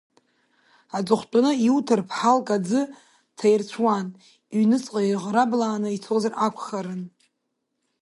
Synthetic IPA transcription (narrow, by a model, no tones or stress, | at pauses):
at͡sʼʊχʷt͡pʼanɨiutʰɨrpʰħalkʼad͡zɨ | tʰajrt͡ɕʷʰwan | ɥɥnɨt͡sʼqʼajʁɾablaːnɨit͡sʰozarʔakʷʰχaɾɨn